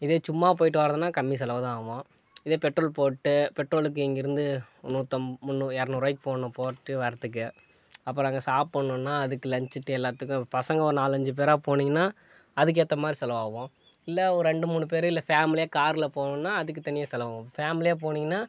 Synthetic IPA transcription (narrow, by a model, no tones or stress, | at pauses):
ɪðeːt͡ʃʊmːaːp̬oːjɪʈ̬ːɯʋaːɾɐðɯnːaːkɐmːis̬ɛlɐʋɐðãːaːʋõː | ɪðeːpɛʈɾoːlpoːʈːɯpɛʈːɾoːlɯk̬ːɯɛŋɡɪɾɯnd̪ɯnuːt̪ːɐmmʊnːɯɛɾɐnʊɾɐɪk̚ːpoːɳʊ̃poːʈːɯʋɐɾɐt̪ːɯk̬ːɯ | ɐpːɾɔ̃ɐŋɡɐsaːppɐɳːʊ̃nːaːɐðɯkːɯlɐɲt͡ʃɯʈːɯɛlːaːt̪ːɯkːʊ̃ːpɐsɐŋɡɐɔɾnaːlɐɲd͡ʒɯp̬eːɾaːpoːniːŋɡɐnːaː | ɐðɯk̬ːɛt̪ːɐmaːd̪ɾisɛlɐʋaːʋõː | ɪlːɐɔɾɾɛɳɖɯmuːɳɯp̬eːɾɪlːɐfaːmɪlɪjaːkaːɾɪlɐpoːɳʊ̃nːaːɐðɯk̬ːɯt̪ɐnɪjɐsɛlɐʋaːʋõfaːmɪlɪjaːp̬oːniːŋɡɐnːaː